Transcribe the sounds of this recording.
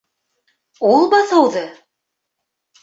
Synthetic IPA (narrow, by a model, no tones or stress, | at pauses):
ulˠbɑθɤwðɤ